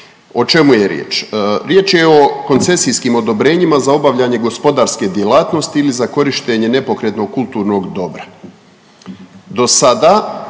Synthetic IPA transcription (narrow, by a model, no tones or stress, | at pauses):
o̞t͡ʃe̞muje̞ɾjḛːt͡ʃːɾje̞ːt͡ʃjeo̞ko̞nt̪se̞sijskiːmo̞d̪o̞bɾe̞ɲimazao̞baʋʎaɲe̞ɡo̞spo̞d̪aːɾske̞d̪jelaːt̪no̞st̪iilizako̞ɾiʃt̪e̞ɲe̞ne̞po̞kɾe̞t̪no̞ɡ̚kulˠt̪uːɾno̞ɡd̪o̞bɾa | d̪o̞sad̪aː